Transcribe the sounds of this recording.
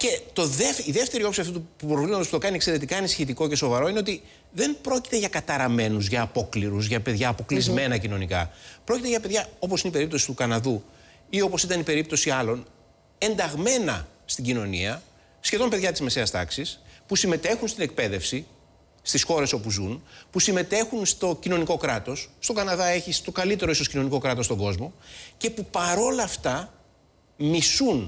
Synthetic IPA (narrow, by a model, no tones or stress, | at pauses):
ce̞t̪o̞ðefiðe̞ft̪e̞ɾiopsiɐft̪ut̪upupɾovlimɐt̪osput̪o̞kɐnie̞kse̞ɾe̞t̪ikɐenisçet̪iko̞ce̞so̞vɐɾo̞ine̞o̞t̪i | ðe̞mbɾo̞ci̥t̪e̞ʝɐkɐt̪ɐɾɐme̞nuzʝɐːpo̞kliɾuzʝɐpe̞ðʝɐːpo̞klizme̞nɐcino̞nikɐ̰pɾo̞cit̪eʝɐpe̞ðʝɐo̞p̬o̞sineipe̞ɾipt̪o̞si̥t̪ukɐnɐðu | io̞po̞sit̪ɐnipe̞ɾip̚t̪o̞siɐlo̞n | e̞nd̪ɐɣme̞nɐ | st̪iɟino̞nḭɐ | sçe̞ðo̞mpe̞ðʝɐt̪izmese̞ɐst̪ɐ̰ksispusime̞t̪e̞xunst̪ine̞k̚pe̞ðe̞fsi | st̪isxo̞ɾe̞so̞puzunpusime̞t̪e̞xunst̪o̞cino̞niko̞kɾɐt̪o̞sːt̪o̞kɐnɐðɐe̞çist̪o̞kɐlit̪e̞ɾo̞isocino̞niko̞kɾɐt̪ost̪o̞ŋɡo̞zmo̞ce̞pupɐɾo̞lɐft̪ɐ | misun